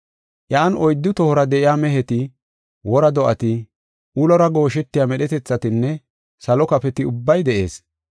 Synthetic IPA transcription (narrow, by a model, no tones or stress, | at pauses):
ʔɐːnɔjd̪ːʊt̪ɔhɔɾɐd̪ɛʔɪjaːmɛɦɛt̪ɪ | wɔɾɐd̪ɔʔɐt̪ɪ | ʔulɔɾɐɡo̞ːʃɛt̪ːɪjaːmɛɗɛt̪ɛt͡sːɐt̪ɪnːɛ | sɐlɔkɐfɛt̪ɪʊbːɐjd̪ɛʔe̞̰ːs